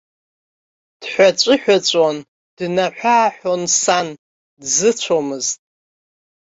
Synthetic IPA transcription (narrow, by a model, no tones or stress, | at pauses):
d̥ħʷᶣat͡ʃʷʼɨħᶣat͡ɕʷʼon | d̥naħᶣʷaːħʷᶣonsan | dzɨt͡ɕʷʰomɨztʼ